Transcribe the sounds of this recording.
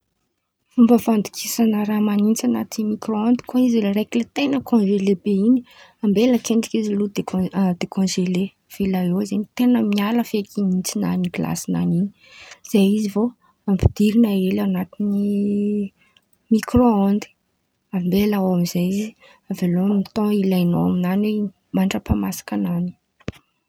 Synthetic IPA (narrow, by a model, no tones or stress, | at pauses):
fumbəfand̪i̥kʰisanəɾamanint͡sanat̪imikroond̪i̥koizilɾeklet̪enəkʰɔ̃nʒelebeini̥ | ambeləkeɳɖ͡ʐi̥kizilud̪ed̪ekʰɔ̃nʒele | v̥elaeizenit̪enəmialəfekʰinint͡sina̰niɡila̰sina̰nini̥ | z̥ajizivo | ampid̪̥iɾinaelanat̪ini | mikroond̪i̥ | ambelaawamizajizi | avelomit̪ɔ̃ilajnoaminanwe | maɳʈ͡ʂəpamasḁkanani̥